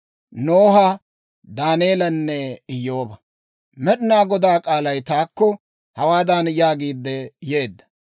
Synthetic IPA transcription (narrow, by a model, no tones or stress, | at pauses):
noːɦɐ | d̪aːneːlɐnːɛɪjːo̞ːbɐ | mɛɗɪnaːɡɔd̪aːkʼaːlɐjt̪aːkːɔ | hɐwaːd̪aːnjaːɡiːd̪ːɛje̞ːd̪ːɐ̥